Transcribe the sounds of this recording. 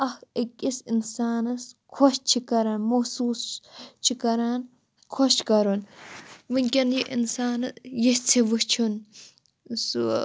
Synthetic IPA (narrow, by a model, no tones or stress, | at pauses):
ɐhikʲʼːisinsaːnɨskʰoʃt͡ʃʰikɐɾɐnmɐsuːst͡ʃʰikɐɾaːn | kʰoʃkɐɾunʋinkʲɐnjiʔḭnsaːnɨjest͡sʰiʋɨt͡ʃʰun | su